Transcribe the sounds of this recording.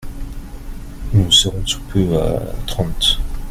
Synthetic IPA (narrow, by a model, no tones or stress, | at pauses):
nuseʁɔ̃su̥pʰøa̰t̪χɑ̃t̪